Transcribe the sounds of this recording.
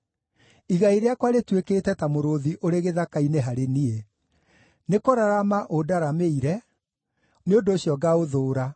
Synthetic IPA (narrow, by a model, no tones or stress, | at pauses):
iɣaiɾeakwaɾetwekeːtɛtamoɾoðiʔoɾeɣeðakaineɦaɾenie | nekoɾaɾamaʔodaɾameiɾɛ | neondoːɕiɔɡaoðoːɾa